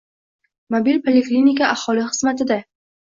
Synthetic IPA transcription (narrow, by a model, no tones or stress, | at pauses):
mobilpʰalʲeklʲinʲikaʔahɒlɪχɨz̥mat̪ʰɪd̪a